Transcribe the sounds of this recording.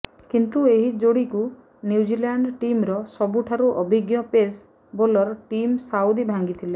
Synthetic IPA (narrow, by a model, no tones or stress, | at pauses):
kint̪ueɦid͡ʒoɽiku | njud͡ʒiljaɳɖʈimɾɔsɔbuʈʰaɾuʔɔbʱiɡjɔpes | bolɔɾʈimsawd̪ibʱaŋɡit̪ʰile